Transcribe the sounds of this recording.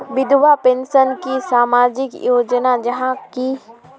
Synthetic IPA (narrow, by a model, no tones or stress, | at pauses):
ʋɪd̪ʱʋapẽnʃənkisaːmaːd͡ʒɪkjoːd͡ʒnad͡ʒɐɦãki